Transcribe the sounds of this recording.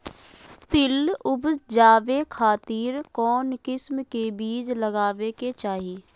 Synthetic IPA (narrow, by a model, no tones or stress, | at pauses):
t̪ɪlʊbd͡ʒaːʋekʰaːt̪iːɾkɔːnkɪsmkebiːd͡ʒləɡaːʋeket͡ʃaːɦiː